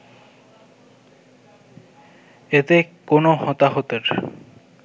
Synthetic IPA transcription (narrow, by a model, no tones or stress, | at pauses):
et̪ekonohɔt̪aɦot̪eɾ